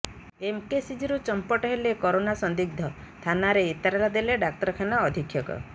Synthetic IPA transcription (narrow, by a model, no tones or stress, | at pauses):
emkesid͡ʒiɾut͡ʃɔmpɔʈɔɦelekɔɾonasɔnd̪iɡ̚d̪ʱɔ | t̪ʰanaɾeit̪aɾelad̪eleɖak̚ʈɔɾɔkʰanaɔd̪ʱikʰːjɔkɔ̰